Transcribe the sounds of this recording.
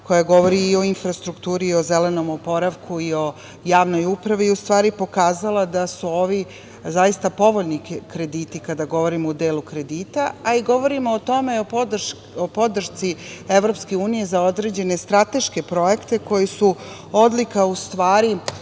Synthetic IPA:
ko̞jaɡo̞ʋo̞ɾiːo̞infɾast̪ɾukt̪uːɾio̞ze̞le̞no̞mopo̞ɾaʋkʰuio̞ | jaːʋno̞jupɾaʋiust̪ʋaːɾipo̞kaːzalˠad̪asuoːʋi | zajist̪apo̞ʋoʎnikɾe̞d̪iːt̪ikad̪aɡo̞ʋo̞ɾimoːd̪eːlukɾe̞d̪iːt̪aaiɡo̞ʋo̞ɾimoot̪o̞me̞o | opo̞d̪r̩ʃt̪sie̞ʋɾo̞pske̞uːnije̞zaod̪ɾe̞d͡ʑe̞ne̞st̪ɾat̪e̞ʃke̞pɾo̞je̞kt̪e̞ko̞jesu | od̪likaust̪ʋaːɾi

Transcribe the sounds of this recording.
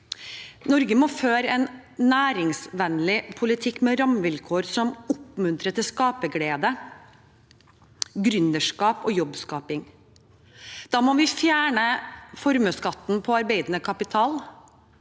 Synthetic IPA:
nɔɾɡəmɔføːɾəɛn | næːɾɪŋsʋɛnlɪpʰʊlɪt̪ʰɪkːmɛɾɑmʋɪlkʰoːɾsɔmʊpːmʉnt̪ɾət̪ɪskɑːpəɡleːd̪ə | ɡɾʏnəʂkɑːpɔːjɔbːskɑːpɪŋ | d̪̥ɑːmɔʋɪfjæːɳəfɔɾməskɑt̪ːn̩pʰɔɑɾbeɪd̪nəkʰɑpɪt̪ʰɑːl

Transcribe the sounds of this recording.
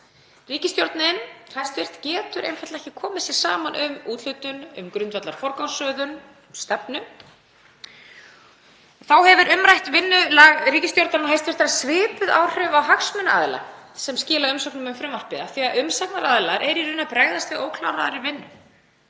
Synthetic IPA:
riːcɪst̪jowɾt̪nɪnhaj̥st̪vɪr̥t̪cɛːt̪ʏɾʔḛjnfaj̥t̪ɛhcɪ̥kʰɔːmɪsɪɾ̥sa̰ːmanʔʏmuːt̪l̥ʏt̪ʏnʏmkɾʏnt̪vat̪laɾ̥fɔɾkawsœːðʏn | st̪ɛpnʏ | θawhɛvʏɾʔʏmɾajht̪vɪnːʏlaɣriːcɪst̪jowɾt̪nanɦajst̪vɪ̥t̪ɾasvɪːpʏðaːwr̥ʏvawɦaksmʏna̰ðla̰ | sɛmscɪːlaʏmsɔwknʏmʏmfɾɛmvar̥pɪðaθiɣaʔʏmsaknaɾaðlaɾʔɛɾiɾʏnapɾaːɣðast̪vɪðoːwkʰlawɾaðaɾɪvɪnːʏ

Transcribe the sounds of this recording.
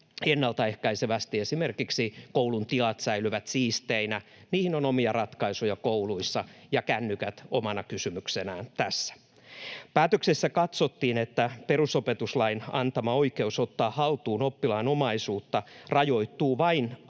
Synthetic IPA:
enːɑlt̪ɑehkæiseʋæst̪iesime̞rkiksikowlunt̪ilɑt̪sæilyʋæt̪siːst̪einæ | niːhino̞nomiɑrɑt̪kɑisojɑkowluisːɑjɑkænːykæt̪omɑnɑkysymyksenæːnt̪æsːæ̥ | pæːt̪øksesːækɑt̪sot̪ːiːnet̪ːæpe̞rusopet̪uslɑinɑnt̪ɑmɑoike̞usot̪ːɑːhɑlt̪uːno̞pːilɑinomɑisuːt̪ːɑrɑjo̞it̪ːˑuːʋɑin

